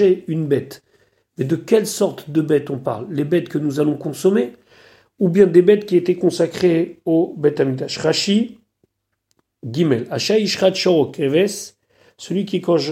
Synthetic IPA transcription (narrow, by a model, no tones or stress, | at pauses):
eynbɛt̪ | mɛd̪əkʲɛlsɔʁt̪d̪əbɛt̪ɔ̃pa̰ʁlːebɛt̪kənuzalɔ̃kɔ̃sɔme | ubjɛ̃d̪ebɛt̪kʲiet̪ɛkɔ̃sakχeobɛt̪amit̪aʃχaʃi | ɡʲimɛlaʃaiʃχat̪ʃɔʁɔkevɛsː | əlɥikʲikɑ̃ʒ